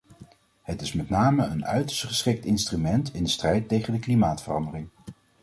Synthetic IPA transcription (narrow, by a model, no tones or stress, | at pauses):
hətɪsmɛtnaːməənœ̰ɥtəɹstχəsχɪk̚tɪnstrymɛntɪndəstrɛjtːejχəndəklimaːtfərɑndərɪŋ